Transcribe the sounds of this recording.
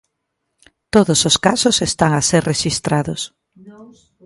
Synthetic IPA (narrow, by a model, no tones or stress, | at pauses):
t̪oðososkasosest̪aŋaseɾreʃist̪ɾaðos